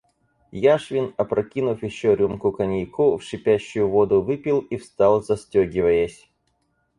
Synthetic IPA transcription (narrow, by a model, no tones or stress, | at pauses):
jaʂvʲɪnɐpɾɐkʲinʊfjɪɕːoɾʲumkʊkɐnʲijkufʂɨpʲæɕːʊjʊvod̪ʊvɨpʲilˠifst̪ɑlˠzɐsʲtʲoɡʲɪvəjəsʲ